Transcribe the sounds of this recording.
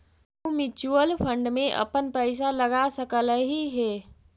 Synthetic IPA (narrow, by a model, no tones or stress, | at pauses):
mɪt͡ʃuəlfʰə̃ɳɖmẽʔɐ̰pənpɛɪs̬alɐɡasəkələɦiɦeː